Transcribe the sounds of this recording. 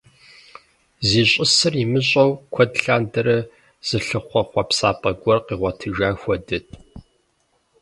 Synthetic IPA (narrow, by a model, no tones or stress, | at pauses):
ziːɕʼɪsɨrimɨɕʼɐwkʷʰɔdɬaːndɐɾɐ | z̥ɨɬɨχʷɔχʷɔpsaːpʼɐɡʷɔrqiːʁʷɐtʰɨʒaːxʷɔdɨtʰʼ